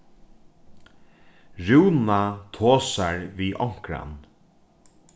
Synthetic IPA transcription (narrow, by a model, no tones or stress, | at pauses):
ɹuwnat̪ʰoːsaɹviːʔɔŋ̥kɾa̰n